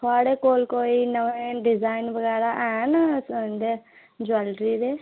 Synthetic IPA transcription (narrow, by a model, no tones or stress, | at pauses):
kʰaːɽekoːlkoːinɐʋẽɖizaːjnbɐɡaːɾaʔaːnsnd̪e | d͡ʒɐlɾid̪e